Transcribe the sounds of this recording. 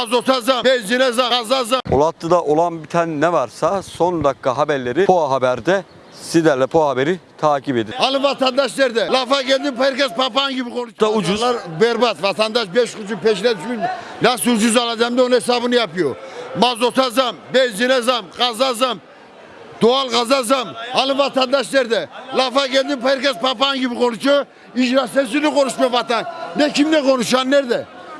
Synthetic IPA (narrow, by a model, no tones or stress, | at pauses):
azot̪ʰazambɛd͡ʒinezazazaolˠat̪lˠɯd̪aʔolˠanbit̪ʰannɛvaɾsasond̪akːaɦabɛɾlʲeɾipʰoaɦabæɾd̪ɛ | sid̪æɾlʲɛpʰoahabeɾit̪ʰaːcʰibed̪ialɯvat̪ʰand̪aʃlɛɾd̪ɛlafaɡeld̪impʰaɾkʲɛspapanɡibikonud̪aud͡ʒuaɾbɛɾbat̪vat̪ʰand̪aʃbɛʃut͡ʃupʰɛʃ̬lɛd̪yt͡ʃmin | næsd͡ʒuzɑlˠɑd̪amd̪eonhesabɨnjɑpijomɑzot̪ʰazɑmbed͡ʒenezɑmʁɑzazam | d̪̥oɑlˠʁɑzazɑmɑnɨvɑt̪and̪ɑʃd̪eɾd̪elˠafakʲeld̪ɪmpajɾkʲezpʰapaŋɡʲibɪqʰont͡ʃʊ | iʒɾasesɪɾnɪqʰoɾuʃmevɑt̪annekʲʰimd̪eqonuʃɑnːeɾd̪e